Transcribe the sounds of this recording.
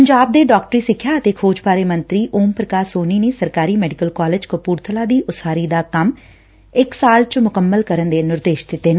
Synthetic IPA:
pəɲd͡ʒaːb̚d̪eːɖɔːkʈəɾiːsɪkʰːjaːət̪eːkʰoːd͡ʒpaːɾeːmənt̪ɾiːʔoːmpɾəkaːɾsoːniːneːsəɾkaːɾiːmɛːɖɪkəlkaːlɪd͡ʒkəpuːɾt̪ʰəlaːd̪iːʔʊsaːɾiːd̪aːkəm | ɪksaːlt͡ʃmʊkəmːəlkəɾənd̪eːnɪɾd̪eːʃd̪ɪt̪ːeːnː

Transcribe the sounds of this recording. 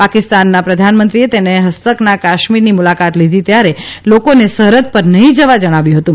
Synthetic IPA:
pakɪst̪anːapɾəd̪ʱanmənt̪ɾiet̪eneɦəst̪əknakaʃmiɾnimulakat̪lid̪ʱit̪jaɾelokonesəɦɾət̪̚pəɾnəɦĩd͡ʒəʋad͡ʒəɽ̃aʋjũɦət̪ũ

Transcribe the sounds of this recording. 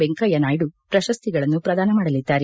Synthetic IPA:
beŋkɐjɐnaːjiɽupɾɐʃɐst̪ʰiɡɐɭɐnːupɾɐd̪aːnɐmaːɽɐlid̪ːaːɾe

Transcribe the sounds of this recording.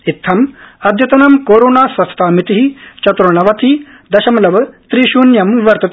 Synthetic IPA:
it̪ʰːɐmɐd̪ʱjɐt̪ɐnɐmkoːɾoːnaːsɐsɐ̥t̪aːmit̪iɦit͡ʃɐt̪ɾɐɳɐʋɐt̪i | d̪ɐʃɐmɐlɐʋɐt̪ɾiʃuːnjɐmʋɐɾt̪ɐt̪

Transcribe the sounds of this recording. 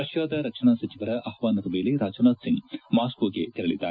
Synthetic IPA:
ɐʃjaːd̪ɐɾɐkʂʰɐɳaːsɐt͡ʃiʋɐɾɐʔɐhʋaːnɐɾumeːleɾaːd͡ʒonaːd̪siŋɡmaːskoːɡet̪iɾɐɭḭd̪ːaːɾ

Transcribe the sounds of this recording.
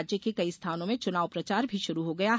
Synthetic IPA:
d͡ʒjəkekɐist̪ʰaːnõmẽt͡ʃʊnaːʋpɾɐt͡ʃaːɾbʱiʃʊɾuɦoɡɐja

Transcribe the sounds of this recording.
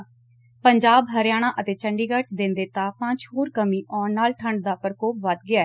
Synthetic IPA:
pəɲd͡ʒaːbɦəɾjaːɽ̃ãːʔət̪eːt͡ʃəɳɖiːɡəɾt͡ʃd̪ɪ̃nd̪eːt̪aːpãːt͡ʃɦoːɾkəmiːʔɔːɾnaːlʈʰəɳɖd̪aːpɾkoːpʋəd̪ɡɪaːɛː

